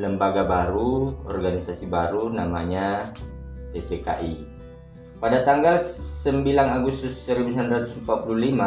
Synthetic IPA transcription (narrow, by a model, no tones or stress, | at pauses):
ləmbaɡabaɾuɔ̰rɡanisasibaɾunamaɲa | t̪epeka̰ʔi | padat̪aŋɡalsəmbilanaɡust̪ʊsəɾibusanrat̪uspapululima